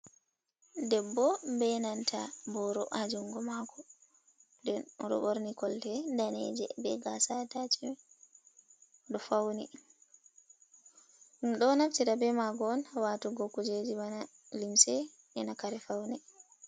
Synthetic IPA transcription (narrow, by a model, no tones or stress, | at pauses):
dɛbːɔbɛnantʰabɔɾɔʔad͡ʒuŋɡɔmakʰɔ | dɛnɾɔ̰ɓoɾnikɔltɛdanɛ̰d͡ʒɛ̰bɛɡasatat͡ʃi | ɗɔfawnḭ | ɗumɗɔnaftiɾabɛmaɡɔnwatuɡɔkːud͡ʒed͡ʒibana | limsɛ | ʔɛnakaɾɛfawnɛ